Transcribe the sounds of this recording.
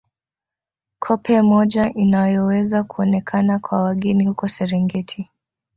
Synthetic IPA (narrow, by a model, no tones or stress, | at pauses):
kʰɔpʰɛmɔʄaʔinajɔwɛzakuɔnɛkʰanakwawaɠɛnihukɔsɛɾɛŋɡɛtʰi